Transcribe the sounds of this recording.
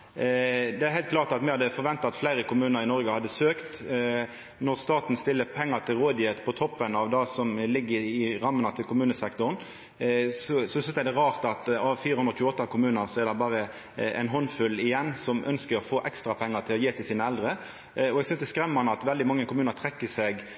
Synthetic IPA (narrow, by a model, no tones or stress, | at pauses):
d̪ɛæɾhæɪt̪kʰlɑːʁt̪ɑt̪mɛhɑd̪ːəfɔɾʋɛnt̪ɑɑt̪flæɪɾəkʰʊmʉːnəɾɪnɔɾɡəhɑd̪ːəsøːkt̪ | nɔʁst̪ɑːt̪n̩st̪ɪlːəpʰɛŋːəʁt̪ʰɪlʁoːd̪ɪet̪pʰɔt̪ʰɔpːənɑʋd̪ɑsɔmlɪɡːəɪɾɑmːənɑt̪ʰɪlkʊmʉːnəsɛkt̪ʊʁn | sɔsɔsʏnsæɪd̪ɛʁɑːʁt̪ɑt̪ɑʋfiːɾəhʉnɾɔçʉːəɔt̪ːɑkʰʊmʉːnəʁsɔɛʁd̪ɛbɑːʁə | ɛ̰ɪnɦɔnfʉlɪjɛnːsɔmʔœ̰nskəɾɔfoːʔɛkst̪ɾɑpʰɛŋːət̪ʰɪlɔjeːt̪ʰɪlsiːnəɛld̪ɾə | ɔɛɡsʏnsd̪ɛskɾɛmːɑnəɑt̪ʋɛld̪ɪmɑŋːəkʰʊmʉːnəɾt̪ʰʁɛkːəsɛɡ